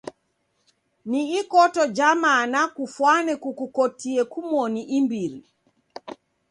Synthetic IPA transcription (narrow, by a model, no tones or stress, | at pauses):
niikɔtɔd͡ʒamanakufwanɛkukukɔtiɛkumwɔniʔimbiɾi